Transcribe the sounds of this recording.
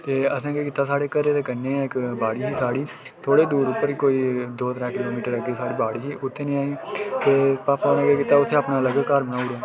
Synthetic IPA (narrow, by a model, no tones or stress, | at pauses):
t̪eːəsãːkeːkɪːt̪ːaːsaːɽeːkəɾeːt̪eːkənːeːɪkbaːɽiːɦiːsaːɽiː | t̪ʰoːɽeːd̪uːɾʊpːəɾiːkoːiːd̪oːt̪əɾaːkɪloːmiːʈəɾəkeːsaːɽiːbaːɽiːɦiːʔʊt̪ʰːeːnĩːaːiːt̪eːpaːpaːoːnẽːkekit̪aːʊt̪ʰːeːapnaːləɡəkːəɾbənaːʊɽaː